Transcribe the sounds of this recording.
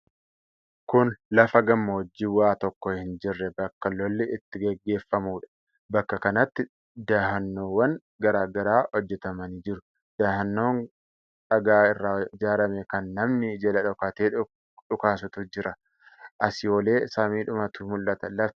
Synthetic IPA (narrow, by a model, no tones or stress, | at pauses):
kʊnlɐfɐɡɐmːɐhɔd͡ʒːɪːwaːt̪ɔkːɔhɪnd͡ʒɪrːɛbɐkːɐlːɔlːɪɪt̪ːɪɡɛɡːe̞ːfːɐmuːᶑɐ̥ | bɐkːɐkɐnɐt̪ːɪ | d̪aːhɐnːoːwːɐŋ | ɡɐɾaːɡɐɾaːhɔd͡ʒːɛt̪ɐmɐniːd͡ʒɪɾʊ | d̪̥aːhɐnːo̞ːŋ | ᶑɐɡaːɪrːaːɪd͡ʒaːɾɐmɛkɐnːɐmnɪd͡ʒɐlɐᶑɔkat̪eː | ᶑʊkaːs̬ʊt̪ʊd͡ʒɪɾɐ | ʔɐsɪjo̞ːle̞ːsamiːᶑʊmɐt̪uːmʊlːɐt̪ɐlɐf